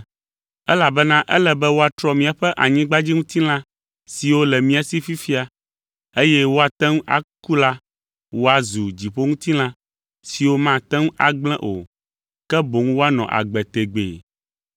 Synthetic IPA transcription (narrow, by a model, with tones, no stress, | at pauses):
ɛ˦la˨bɛ˦nã˦ʔɛ˦lɛ˨bɛ˦wo˦a˨t̪ɾɔ˦mĩ˨a˨ɸɛ˦ʔa˨ɲĩ˦ɡ͡ba˦d͡ʑi˦ŋũ˦t̪i˦l̃ã˦ | si˨wo˦lɛ˨mĩ˨˦a˨si˦fi˦fi˦a˨ | e˦jɛ˦wo˦a˨t̪ɛ˦ŋ˦ʔa̰˨ku˦la˦ | wo˦a˨zu˨d͡ʑi˨ɸo˦ŋũ˦t̪i˦l̃ã˦ | si˨wo˦mã˦˨t̪ɛ̃˦ŋ̃˦ʔa̰˨ɡ͡blɛ̃˦ʔo̰˨ | kɛ˦bo˨ŋũ˦wo˦a˦nɔ̰̃˨ʔa̰˨ɡ͡bɛ˨t̪e˨ɡ͡bḛ˨